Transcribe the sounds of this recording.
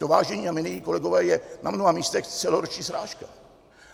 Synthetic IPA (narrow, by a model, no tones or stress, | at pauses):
t̪ovaːʒɛɲiːamɪnijiko̞lɛɡovɛːjɛnamnoɦamiːst̪ɛxt͡sɛloɾot͡ʃɲiːsɾaːʃka